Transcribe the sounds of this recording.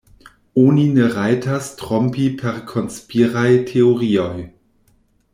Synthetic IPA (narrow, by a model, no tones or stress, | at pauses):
onineʁajtʰastʁɔmpipʰɛʁkʰonspiʁajtʰeoʁioj